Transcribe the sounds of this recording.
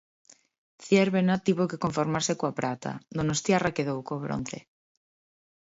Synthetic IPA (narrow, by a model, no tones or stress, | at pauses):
θjeɾβenat̪iβokekoɱfoɾmaɾsekoapɾat̪a̰d̪onost̪jarakeðowkoβɾo̰n̟θḛ